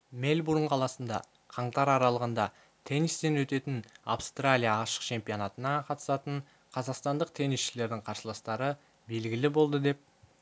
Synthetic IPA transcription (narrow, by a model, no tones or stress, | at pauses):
me̞lʲbuɾəɴqʰɑlˠɑsənd̪ɑ̰ | qʰɑɴt̪ɑɾɑɾɑlˠəʁənd̪ɑ | t̪ʰe̞nist̪e̞nwɵt̪e̞t̪ɪnawst̪ralʲijaːʃə̥qt͡ʃʰe̞mpijo̞nɑt̪ənɑqʰɑt̪ə̥sɑt̪əɴ | qʰɑzɑqst̪ɑnd̪əqt̪ʰe̞nisʃɪle̞ɾd̪ɪŋqʰɑɾsəlˠɑst̪ɑɾə | be̞lɡʲɪlɪbo̞lˠd̪əd̪e̞p̚